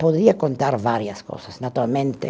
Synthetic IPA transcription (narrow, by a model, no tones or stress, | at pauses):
poðɾiakont̪aɾvaɾjasko̰sasnat̪uɾalmẽnt̪e